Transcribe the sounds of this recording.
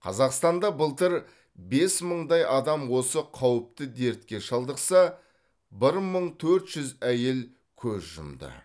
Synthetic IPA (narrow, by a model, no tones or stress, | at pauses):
qʰɑ̰zɑqst̪ɑnd̪ɑbəlˠt̪əɾ | be̞sməɴd̪ɑjʔɑd̪ɑmwo̞səqʰɑwəp̚t̪əd̪e̞ɾt̪kʲe̞ʃɑlˠd̪əqsɑ | bɪɾməɴt̪ʰɵɾt̪ʒ̥ʏzæje̞l | kʲʰɵzʒʊ̰md̪ə̰